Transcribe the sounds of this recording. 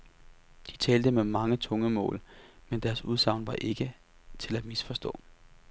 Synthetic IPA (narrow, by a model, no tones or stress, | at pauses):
d̥it͡sʰɛːld̥əmemɑ̈ŋət͡sʰɔ̽ŋəmɔ̰̽ːlmend̥æɐsuð̞ˠsɑ̈ʊnʋɑ̈ʔe̝ɡ̥ə | t͡sʰe̝læd̥misfɒ̽sd̥ɔ̰̽ː